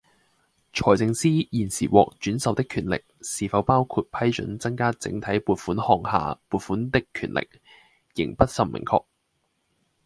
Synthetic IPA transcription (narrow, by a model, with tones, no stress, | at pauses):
t͡ʃʰɔː˨˩jt͡sɪ˧ŋsiː˥jiː˨˩nsiː˨˩wɔ̰ː˨k̚t͡ʃyː˨˥nsɐ˨˧wt̪ɪ˥kʰyː˨˩nlɪ̰˨k̚siː˨˩fɐ˨˧wpaː˥wkʰuː˧t̚pʰɐ˥jt͡ʃɵ̰˨˥nt͡sɐ˥ŋkaː˥t͡sɪ̰˨˥ŋt̪ʰɐ˨˥jpuː˨˧t̚fuː˨˥nhɔː˨ŋha̰ː˨puː˨˩t̚fuː˨˥nt̪ɪ˥kʰːy̰ː˨˩nlʔɪ̰˨k̚ | jɪ̰˨˩ŋpɐ˥t̚sɐ˨˧mmɪ̰˨˩ŋkʰɔ̰ː˧k̚